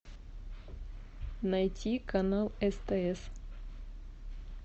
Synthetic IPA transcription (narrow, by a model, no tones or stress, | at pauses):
nɐjtʲʰikɐnalˠɛst̪ɛɛs